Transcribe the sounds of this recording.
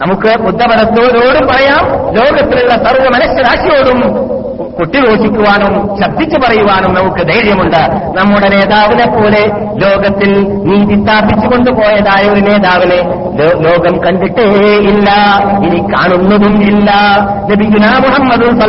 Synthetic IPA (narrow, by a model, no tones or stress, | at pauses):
nɐmukːɨbud̪ʱːɐbɐd̪ɐt̪ːo̞ːɾo̞ːɽumpɐrɐjaːmlo̞ːɡɐt̪ːiluɭːɐsɐrʋɐmɐnɐɕjɐɾaːɕijo̞ːɽum | koʈːiɣo̞ːʂikʲːuʋaːɳumɕɐb̚d̪ʱːit͡ɕːupɐrɐjuʋaːɳumnɐmukːɨd̪ɐjɾjɐmuɳɖɨnɐmːuɽene̞ːðaːʋinepːo̞ːle̞ | lo̞ːɡɐt̪ːil | niːðist̪aːpːit͡ɕːuko̞ɳɖupo̞ːjɐðaːjɐːɾine̞ːðaːʋine̞ | lolo̞ːɡɐmkɐɳɖiʈːeilːɐinika̰ːɳunːɐðumilːɐ | nɐbijːunaːmuhɐmːɐd̪unsɐ